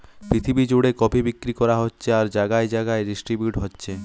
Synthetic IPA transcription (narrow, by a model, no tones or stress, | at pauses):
pɾit̪ʰibid͡ʑoɽekɔbibikɾikɔɾaɦotːɕʰeaɾd͡ʑaɡaed͡ʑaɡaeɖisʈɾibjuʈɦotːɕʰe